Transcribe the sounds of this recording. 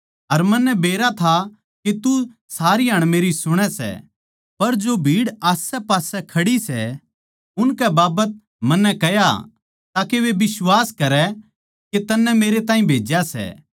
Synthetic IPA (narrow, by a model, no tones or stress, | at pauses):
ɐɾmɐnːɛbeːɾat̪ʰa | ket̪usaːɾiɦɐɽ̃meːɾisʊɽ̃ɛsɛ̰ | pɐɾd͡ʒobʱiːɽaːsɛpaːsɛkʰɐɽisɛ | ʊnkɛbaːbət̪̚ | mɐnːɛkɛja̰ | t̪aːkeʋebɪswaːskɐɾɛ | ket̪ɐnːɛmeːɾet̪aːɦĩbʱeːd͡ʒjasɛ̰ː